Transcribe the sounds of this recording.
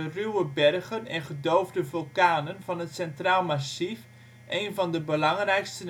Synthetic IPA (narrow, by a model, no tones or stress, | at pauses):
ərywəbɛrɣənɛnχədowvdəvylˠkaːnənvɑnɦətsɛntraːlˠmasif | ʔejnvɑndəbəlɑŋrɛjkstən